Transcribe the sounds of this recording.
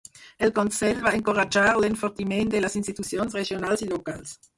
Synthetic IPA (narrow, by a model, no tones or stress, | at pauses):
elkonsɛʎvaeŋkoʁad͡ʒaɾlenfoɾt̪imend̪elasinst̪it̪usjonsreʒjonalsilokals